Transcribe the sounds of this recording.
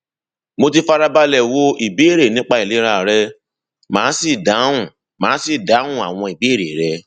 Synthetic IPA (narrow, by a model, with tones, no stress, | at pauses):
mo˧ti˧fa˧ɾa˧ba˧lɛ˨wo˧ʔi˨be˨˦e˦˨ɾe˨nĩ˦k͡pa˦i˨le˨˦ɾa˧˨ɾɛ˧ | mãː˨˦si˦˨da˨˦ũ˦˨ | mãː˨˦si˦˨da˨˦ũ˦˨a̰˨w̃ɔ̃˧i˨be˨˦˨ɾe˨ɾɛ˧